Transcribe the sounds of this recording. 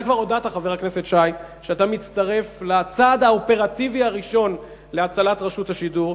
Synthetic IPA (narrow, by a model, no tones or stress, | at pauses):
kvaʁodat̪aχave̞ʁakne̞setʃaj | ʃeatamit͡st̪aʁe̞flat͡sad̪aope̞ʁativiaʁiʃo̞n | leat͡salatʁaʃuthaʃiduʁ